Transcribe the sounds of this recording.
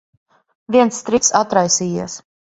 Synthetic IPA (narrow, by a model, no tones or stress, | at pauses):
vʲiɛnst̪ɾit̪sat̪ɾajsiːjiɛs